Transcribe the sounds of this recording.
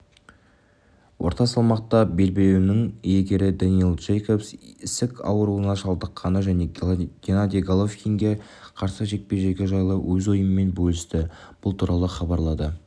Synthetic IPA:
wʔo̞̰ɾt̪ɑsɑlˠmɑqt̪ɑbe̞lbelewnɪŋjeɡʲe̞ɾɪd̪onilˠʒejko̞psɪsɪkʰɑ̰wɾuənɑʃɑlˠd̪əqʰːɑnəʒæne̞ɡʲenad̪ʲijɡalˠofkʲiŋɡʲe̞ | qʰɑɾsəʒe̞k̪̚pe̞ɾʒe̞ɡʲeʒɑjlˠəwʔɵzojəməme̞nbolʲˠɪst̪ɪb̥ʊlˠt̪ʰuɾʔɑlˠəχɑbɑɾlˠɑd̪ə

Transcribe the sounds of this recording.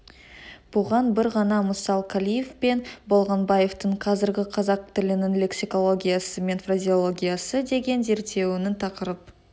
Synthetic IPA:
b̥ʊʁɑnbɪɾʁɑnɑmʊsɑlˠkʲʰalʲijefpe̞nbo̞lˠʁɑnbɑje̞ft̪əɴqʰɑzɪɾɡʲɪqʰɑzɑq̚t̪ɪlɪnɪnle̞ksiko̞lˠo̞ɡʲijasəme̞nfrazʲio̞lˠo̞ɡʲijasəd̪e̞ɡʲe̞nze̞ɾt̪ːe̞wɪnɪnt̪ʰɑqəɾəp̚

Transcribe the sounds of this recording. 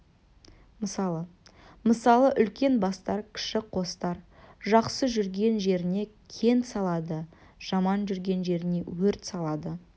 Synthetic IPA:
məsɑlˠə | məsɑlˠəʔʏlkʲe̞nbɑst̪ɑɾkʲʰɪ̥ʃɪqʰo̞st̪ɑɾʒɑqsəʒʏɾɡʲe̞nʒe̞ɾɪne̞kʲʰe̞nt̪sɑlˠɑd̪ə | ʒ̥ɑmɑnʒʏɾɡʲe̞nʒe̞ɾɪne̞wɵɾt̪sɑlˠɑd̪ə

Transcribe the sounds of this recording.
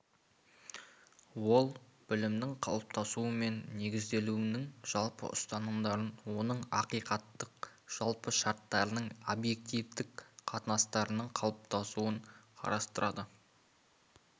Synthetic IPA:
wo̞lˠb̥ɪlɪmd̪ɪŋqʰɑ̰lˠəp̚t̪ʰɑsuəme̞nːe̞ɡʲɪzd̪e̞luɪnɪŋʒ̥ɑlˠpə̰ʔʊ̰st̪ɑnəmd̪ɑɾənwo̞nəɴɑqijqɑt̪ːəqʒ̥ɑlˠpəʃɑɾt̪ːɑɾənəɴobje̞k̚t̪ijvd̪ɪk̚qʰɑt̪ənɑst̪ɑɾənəɴqʰɑlˠəp̚t̪ʰɑsuəɴqʰɑ̰ɾɑst̪əɾʔɑd̪ə

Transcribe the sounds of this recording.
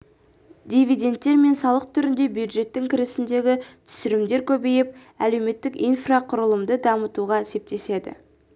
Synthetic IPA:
d̪ʲijvid̪e̞nt̪ːe̞ɾme̞nsɑlˠəq̚t̪ʰʏɾɪnd̪e̞bjud̪ʒe̞t̪ːɪŋkʲʰɪɾɪsɪnd̪e̞ɡʲɪt̪ʰʏ̥sɪɾɪmd̪e̞ɾkʲʰɵbejɪp̚ | æle̞wme̞t̪ːɪkijnfraqʰʊɾəlˠəmd̪əd̪ɑmət̪uʁɑese̞p̚t̪e̞se̞d̪ɪ̰

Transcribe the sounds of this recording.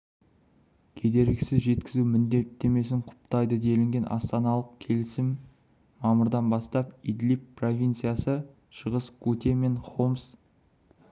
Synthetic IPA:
kʲʰe̞d̪e̞ɾɡʲɡʲɪsɪzʒe̞t̪kʲɪzumɪnd̪e̞t̪ːe̞me̞s̬ɪŋqʰʊ̥pt̪ɑjd̪əd̪e̞lɪŋɡʲe̞nʔɑ̰st̪ɑnɑlˠəqkʲʰe̞lɪsɪmː | ɑmʊɾd̪ɑnbɑst̪ɑpid̪lippro̞vʲijnt̪sɨjasə | ʃəʁəsɡut̪eme̞ɴχoms

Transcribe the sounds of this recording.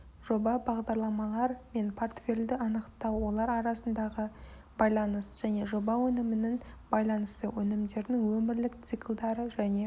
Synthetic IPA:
ʒ̥o̞bɑbɑʁd̪ɑɾlˠɑmɑlˠɑɾme̞npʰort̪fʲe̞ld̪ɪɑnəqt̪ɑwwo̞lˠɑɾɑɾɑsənd̪ɑʁə | bɑjlˠɑnəsʒ̥æne̞ʒo̞bɑwɵnɪmɪnɪnbɑjlˠɑnəst̪əwɵnɪmd̪e̞ɾd̪ɪŋwɵmɪɾlɪkt̪sɨklˠd̪ɑɾəʒæne̞

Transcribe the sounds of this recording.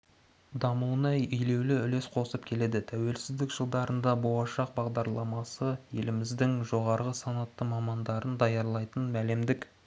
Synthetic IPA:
d̪ɑmuwənɑjʏjle̞wlɪʏle̞sqʰo̞səp̚kʲʰe̞le̞d̪ɪt̪ʰæwe̞lsɪzd̪ɪkʒəlˠd̪ɑɾənd̪ɑbo̞lˠɑʃɑq̚bɑʁd̪ɑɾlˠɑmɑsəje̞lɪmɪzd̪ɪŋʒo̞ʁɑɾʁəsɑnɑt̪ːəmɑmɑnd̪ɑɾənd̪ɑjɑɾlˠɑjt̪ənmæle̞md̪ɪk

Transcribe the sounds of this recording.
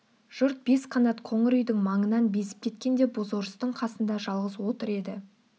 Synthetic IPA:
ʒ̥ʊɾt̪̚be̞sqʰɑnɑt̪qʰoɴɪɾʏjd̪ɪŋmɑɴənɑnbe̞sɪ̥p̚kʰʲet̪̚kʲe̞nd̪e̞bozoɾəst̪əɴqʰɑsənd̪ɑʒɑlˠʁəzwo̞t̪əɾe̞d̪ɪ

